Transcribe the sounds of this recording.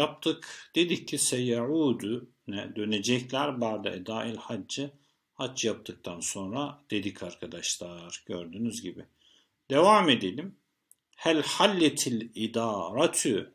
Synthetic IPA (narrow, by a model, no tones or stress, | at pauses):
jap̚t̪ʰɯkd̪̥e̞d̪ic̚cʰisɛjaʕuːd̪u | nɛd̪ø̞ned͡ʒɛclʲæɾbaɾd̪a̰ʔɛd̪aːilʲhad͡ʒd͡ʒːɯ | hat͡ʃjap̚t̪ʰɯk̚t̪ʰanso̞nɾad̪̥e̞d̪icʰaɾkʰad̪aʃlˠaɾɟøɾd̪yːnyzɟibi | d̪̥evaːmed̪elʲim | hælʲħalʲːɛt̪ʰilʲid̪aːɾat̪ʰy